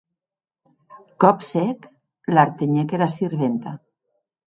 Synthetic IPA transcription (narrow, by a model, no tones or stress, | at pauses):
kɔpsɛk | laɾt̪eɲekeɾasiɾβent̪a